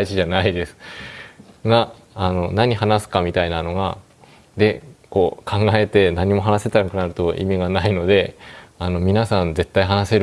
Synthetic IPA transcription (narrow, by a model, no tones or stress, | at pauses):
it͡ɕiʑanaid̪e̞sɨ̥ | ɡaː | no̞naɲ̟iɦanasɨ̥kamʲit̪ainano̞ɡa | d̪e̞ko̞ːkʰãŋɡae̞t̪e̞naɲ̟imo̞ɦanaset̪aɾkɯ̟naɾɯ̟t̪o̞ʔḭmʲiɡanaino̞d̪e̞ano̞mʲinasãnd͡ze̞t̪ːaiɦanase̞ɾ